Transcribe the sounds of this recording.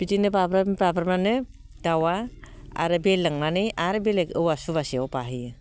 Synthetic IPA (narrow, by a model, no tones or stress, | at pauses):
b̥itinɯbabɾababɾmanɯ | d̥awaa̰ɾɯbelːɯŋmanɯjʔaɾɯbelekɯwasuβasiawpaɦɯjɯ